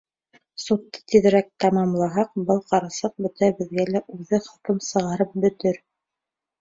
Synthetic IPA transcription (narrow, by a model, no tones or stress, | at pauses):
sut̪ːɤ̥t̪iðɘ̆ɾæk̚t̪ɑmɑmlˠɑɦɑq̚bɤlˠqɑɾɑsɤq̚bɵ̆t̪æbɘ̆ðɡælæʔʉðɘχɤ̆kɤmsɤ̆ʁɑɾɤp̚bɵ̆t̪ɘɾ